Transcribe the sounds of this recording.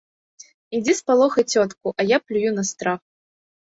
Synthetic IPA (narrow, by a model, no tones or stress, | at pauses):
id͡zʲispalˠɔxɐt͡sʲɔt̪kuʔɐjaplʲujunɐst̪ɾax